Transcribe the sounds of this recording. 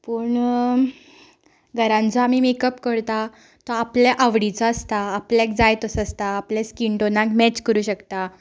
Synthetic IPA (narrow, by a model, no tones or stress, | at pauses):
puːɳ | ɡʱəɾãnt͡sɔamiːmekəpkəɾt̪a | t̪ɔapljaʔaʋɽit͡sɔəst̪aːpljakd͡zajt̪əsəst̪aːpljaskiɳʈonakmɛt͡ɕkəɾuːɕəkt̪a